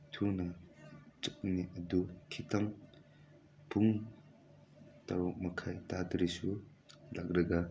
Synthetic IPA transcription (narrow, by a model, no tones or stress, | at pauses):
tʰunɐt͡ʃuk̚niʔɐdukʰitam | pʰuŋ | taɾɔk̚mɐkʰajtatɾisu | lakɾɐɡa